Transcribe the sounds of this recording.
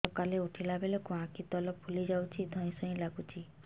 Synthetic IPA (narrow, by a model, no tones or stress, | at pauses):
ɔkaleuʈʰilabelokuãkit̪ɔlɔbpʰulid͡ʒawt͡ʃʰid̪ʱɔ̃ĩsɔ̃ĩlaɡut͡ʃʰi